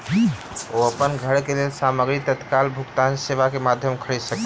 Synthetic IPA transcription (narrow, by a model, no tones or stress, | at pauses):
oəpənɡʱəɽkelelsaməɡɾit̪ət̪kalbʱukt̪anseʋakemad̪ʱjəmkʰəɾid̪sək